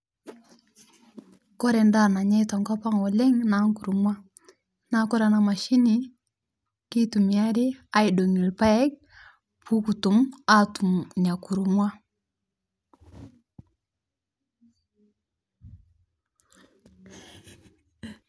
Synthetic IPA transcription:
kɔ˦ɾɛ˨nda˦˨na˨ɲa˦jta˨ŋka˦pa˦ŋɔ˨lɛ˦ŋna˨˦ŋku˨ɾu˨mwa˦ | na˨kɔ˦ɾa˨na˨ma˨ʃi˦ni˨ | ki˦tu˨mi˨a˦ɾi˦a˦i˨do˨ŋi˨lpa˦ɛ˦k̚ | pʰu˦ku˨tu˨ma˦tu˨mɲa˨ku˨ɾu˨mwa˦

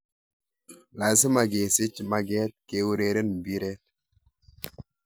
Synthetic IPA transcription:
la˨s̬ɪ˦ma˨ɡe˨sɪ˦t͡ʃma˦ɡɛ˦t̪̚ke˨wu˦ɾe˨ɾe˦nbi˦ɾe˦t

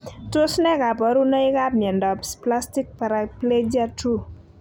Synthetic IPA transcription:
to˦snɛ˦ka˨pɔ˨ɾu˦na˦ɪ˦ka˦p̚mɛ˨ndɔ˨pspla˦sti˦k̚paɾaple˦d͡ʒa˦tu˦

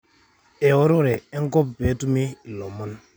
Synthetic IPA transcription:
e˨wo˦ɾo˦ɾɛ˨ɛ˦ŋ˦kɔ˦pbe˨˦tu˦me˦i˨lɔ˨mɔ˦n

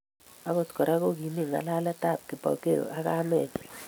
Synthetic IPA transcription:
a˨˦ŋo˦˨tkɔ˨ɾa˦ko˦ɡi˨ni˦˨ŋa̰˨la˦la˦ta˦˨p̚kɪ˨pɔ̰˨ke˦ɾo̰˨ʔa˦ka˦mɛ˨d͡ʒɛ˨

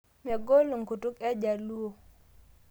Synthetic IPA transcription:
mɛ˨ɡo˦lo˨ŋku˨tu˦kɛ˦d͡ʒa˨lu˦o˨

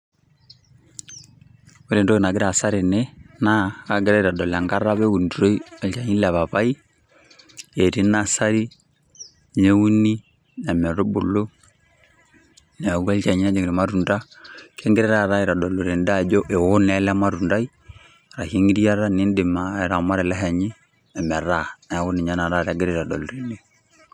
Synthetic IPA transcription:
we˦ɾɛ˨ndɔ˦˨na˨ɡɛ˦ɾa˨sa˦ɾe˨nɛ˦na˦a˨ɡɛ˦ɾa˦iɾa˨dɔ˨la˨ŋɡa˦ɾa˦βɛ˦u˨nduɾo˦i˦a˨t͡ʃa˨ɲi˦la˨βa˨βa˦i˦ | ɛ˨ɾi˦na˦sa˦ɾi˦ | ɲɛ˦u˦ni˦ | na˨mɛ˨ɾo˦bo˨lo˦ | nɛ˨u˦a˦lt͡ʃa˨ɲi˦na˦d͡ʒɔ˨ŋɡɾi˨ma˦ɾu˨nda˦ | kʰɛ˦ŋɡɛ˦ɾɛ˦ɾaɾa˦i˨ɾa˨ɗɔ˨lu˨ɾɛ˨nda˦d͡ʒɔ˦ʔɛ˨wɔ˦nɛ˦lɛ˦ma˦ɾu˨nda˦i˦ | ɾa˨hi˦ŋɡi˦ɾi˦a˦ɾa˦ni˦ndɪ˨maɛ˨ɾa˨ma˦ɾɛ˨lɛ˦ɦɛ˨ɲi˦ | ɛ˨mɛ˨ɾa˦nɛ˨wu˦ni˨ɲa˦na˨ɾa˦ɾɛ˦ɡɛ˦ɾɛ˨ɾa˨dɔ̰˨lɾi˨ni˦

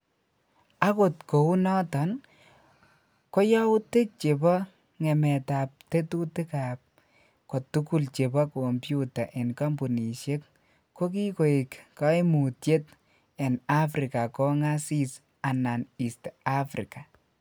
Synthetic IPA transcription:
a˦ko˨tko˨u˦nɔ˦tɔ˨n | ko˦jɔ˦u˦te˦t͡ʃe˨bɔ˦ | ŋɛ˨mɛ˨ta˨p̚te˦tu˦te˦ka˨p̚ | ko˨tu˦ku˦lt͡ʃe˨bɔ˦ko˨mpju˦ta˨ʔe˨nka˦mbu˨ni˨ʃe˦k̚ | ko˦k̬i˦ko˨i˨kka˦imu˨tje˦t | ɛ˨na˦fɾi˨ka˨kɔ˦ŋa˦si˦s | a˨na˨ni˨sta˦fɾḭka˨

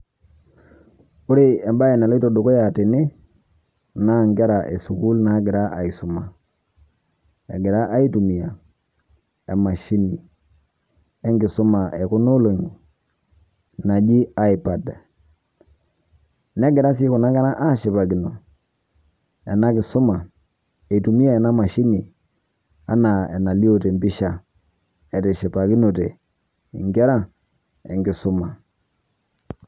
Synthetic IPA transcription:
ʊ˦ɾe˦ɛ˨mba˦ɛ˨na˨lɔ˦i˦to˨do˨ko˦ja˨te˨nɪ˦ | na˦˨ŋɡɛ˦ɾa˨ʔɛ̰˨su˨ku˦lna˨˦ɡɪ˨ɾa˦ʔa˨i˨sʊ˨ma˨ | ɛ̰˨ɡɪ˨ɾa˦ʔa˦i˦tu˨mi˨a˨ | ɛ˨ma˨ʃi˦ni˨ | ɛ˦ŋɡɪ˨sʊ˦ma˨ʔɛ˨kʊ˦no˦lo˨ŋ˨ | na˨d͡ʒi˦a˨i˨pa˨da˨ | nɛ˦ɡɛ˨ɾa˦s̬i˦ku˨na˦ɡa˦na˦ʔa˦˨ʃɛ˨pa˨ɡi˨no˨ | ɛ˨na˦kɪ˨sʊ˦ma˨ | e˨tu˨mi˦a˦ɛ˨na˦ma˨ʃi˦ni˨ | a̰˦na˨ɛ˨na˨li˦o˦˨te˨mbi˦ʃa˦˨ | ɛ˨tɛ˨ʃɛ˨pa˨ki˦no˨te˨ | ḭ˨ŋɡɛ˦ɾa˦ | ɛ̰˨ŋɡi˨sʊ˦ma˨

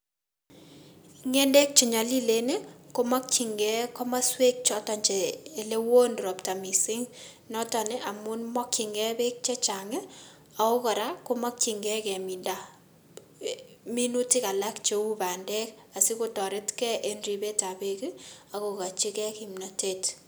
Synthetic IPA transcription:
ŋe˦nde˦k̚t͡ʃi˨ɲa˨li˦le˦ne˦ko˦ma˦k̚t͡ʃi˨ŋɡɛ˦kɔ˦ma˦swe˦k̚t͡ʃɔ˦tɔ˨ɲt͡ʃɛ˨le˦wo˦ndɾɔ˨pta˨mi˨sɪ˦ŋ | nɔ˦tɔ˨nɪ˦ʔa˨mʊ˦nmɔ˦kt͡ʃi˨ŋɡɛ˦be˦k̚t͡ʃɛ˦t͡ʃa˨ŋɪ˦ | a˨o˦kɔ˨ɾa˦ko˦mɔ˦k̚t͡ʃi˨ŋɡɛ˦kɛ˨mi˨nda˨ | mi˦nu˦ti˦ka˨la˦kt͡ʃe˦u˦ba˨ndɛ˦k | a˨si˦ko˦tɔ˨ɾɪ˦tkɛ˦ʔe˦nri˨be˦ta˨be˦ki˦a˨ko˨ka˨t͡ʃi˦kɛ˦ki˨mnɔ˨tet

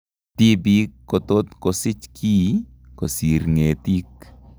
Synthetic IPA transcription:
t̪i˦bi˦kːo˨t̪o˦t̪ko˨sɪ˦t͡ʃkʰi˦ | ko˨si˨ɾŋe˨t̪i˦k

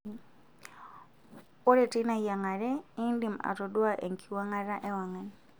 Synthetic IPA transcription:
o˦ɾɛ˨ti˦na˨ija˨ŋa˨ɾɛ˦i˦ndi˨ma̰˨ɾɔ˨dwa˦ʔḛ˨ŋkʰi˨wa˦ŋa˨ɾa˦ʔɛ˦wa˨ŋa˨n

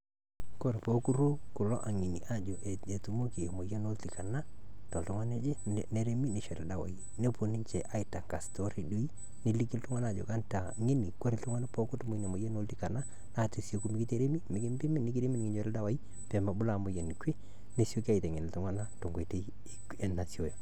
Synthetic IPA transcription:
ko˦ɾe˨po˦ku˦ɾo˦kʊ˨lɔ̰˦ʔa˨ŋi˨ni˨ʔa˦d͡ʒo˨ʔe˨e˨tu˨mo˦ki˨mo˨je˦no˦lti˨ka˨na˦ | tɔ˨ltʊ˦ŋa˦ne˦d͡ʒe˦ne˦ɾe˦mi˦ne˨ʃɛ˨ɾɛ˨da˨wa̰˨i˦ | ne˦po˨ni˦ɲt͡ʃɛ˨ʔa˦ɪ˨ta˨ŋɡa˨sto˦ɾi˨du˦i˦ | nɪ˨li˦kɪ˦ltʊ˦ŋa˦na˦˨d͡ʒo̰˨ka˦nta˨ŋe˦ni˨ko˦ɾɪ˦ltʊ˦ŋa˦na˦po˦kʊ˦tmo˦i˦ne˨mo˨jɛ˦no˦lti˨˦ka˨na˦ | na˨te˨so˦ku˦mi˦kɪ˦te˦ɾe˦mi˦mɪ˨kɪ˦m˦bɪ˦mi˦nɪ˦ki˦ɾe˦mi˦n˨ŋɪ˨˦ɲo˦ɾɪ˦da˦wa˦i˦ | pɛ˨mba˨bʊ˦la˨mʊ˨jɛ˨n˨ke˦ | ne˦sjo˦ki˦a˦˨i˨tɛ˨ŋe˨nɪ˨ltʊ˦ŋa˦na˦to˨ŋɡe˨te˦i˦˨ | ɛ˨na˨si˦o˦jo˨

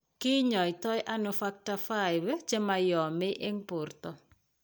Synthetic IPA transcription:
kɪ˦ɲɔ˨ɪ˨tɔ˦jʔa˦nʊfa˦k̚ta˨fa˦˨jwɛ˦d͡ʒe˦ma˨jɔ˨mɪ˦ʔe˦ŋpʊ˨rt̪ɔ˨

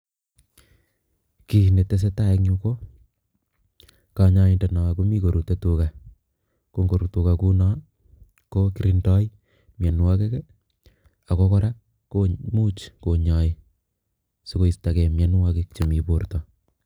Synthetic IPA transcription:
ki˨ne˨te˦s̬e˦ta˦e˦kɲu˦ko˦ | ka˨ɲa˦i˨nde˨nɔ˨a˨ku˦mi˦ko˨ɾu˨te˦tu˨ka˨ | ko˦ŋɡo˨ɾu˨tu˨ka˨ku˦nɔ˦ | ko˦kiɾi˨ndɔ˦j | mjɛ˨n˨wa˦ke˦k | a˨ko˦kɔ˦ɾa˦ | komu˦t͡ʃko˨ɲɔ˨e˦ | so˦ko˦i˨sta˨kɛ˨mjɛ˨n˦wa˦ke˦kt͡ʃe˨mi˨po˨ɾtɔ˨

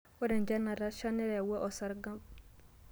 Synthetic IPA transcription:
wɔ˦ɾɛ˨nd͡ʒa˦na˨ɾa˦ʃa˦nɛ˦ɾɛ˨wɛ˦ʔɔ˨sa˨ɾɡa˦mb

